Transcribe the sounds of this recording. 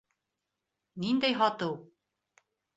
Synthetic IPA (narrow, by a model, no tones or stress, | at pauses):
nind̪æjɦɑt̪ɤw